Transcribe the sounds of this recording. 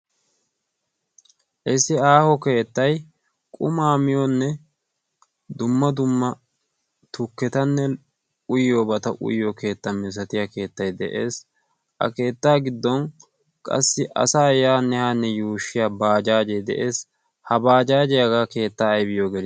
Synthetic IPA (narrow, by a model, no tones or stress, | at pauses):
ʔɪsɪaːhɔke̞ːt̪ːɐj | kʼʊmaːmɪjɔnːɛ | d̪ʊmːɐd̪ʊmːɐ | t̪ʊkːɛt̪ɐnːɛ | ʊjobɐt̪ɐʔʊ̰jːɔke̞ːt̪ːɐmɪs̬ɐt̪ɪjake̞ːt̪ːɐjd̪ɛ̰ʔeːs | ɐ̰ke̞ːt̪ːaːɡɪd̪ːɔn | kʼɐ̰sːɪʔɐ̰saːjaːnːɛhaːnːɛjuːʃːɪjaːbaːd͡ʒaːd͡ʒɛd̪ɛ̰ʔe̞ːs | hɐbaːd͡ʒaːd͡ʒɛjaɡake̞ːt̪ːaːɐjbɪjoːɡɛl